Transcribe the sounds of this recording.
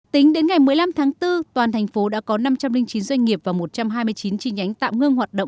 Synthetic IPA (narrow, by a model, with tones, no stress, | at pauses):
t̪ï˨˦ŋ̟ɗe˨˦nŋa˨˩jmɨ˨˩əjla˧mt̪ʰaː˨˦ŋt̪ɨ˧t̪waː˨˩nt̪ʰjŋ̟fo˨˦ɗa̰ː˧˥kɔ˨˦na˧mt͡ɕa˧mlï˧ŋ̟t͡ɕi˨˦nzwa˧jŋ̟ŋi˨˩əp̚vaː˨˩mo˨˩t̚t͡ɕa˧mɦaː˧jmɨ˧əjt͡ɕi˨˦nt͡ɕi˧ŋ̟ʔa˨˦jŋ̟t̪a̰ː˧˨wŋɨ˧əŋɦwaː˨˩t̚ɗə̰˧˨ŋ͡m